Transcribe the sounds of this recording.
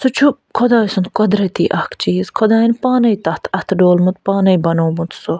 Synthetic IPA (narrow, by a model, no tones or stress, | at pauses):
sut͡ʃʰu | kʰɔd̪aːjsunt̪kɔd̪ɾɐt̪iːʔɐhkʰt͡ʃiːzkʰɔd̪aːinpaːnɐjt̪ɐht̪ʰɐt̪ʰɖoːlmut̪̚paːnɐjbɐnoːmut̪so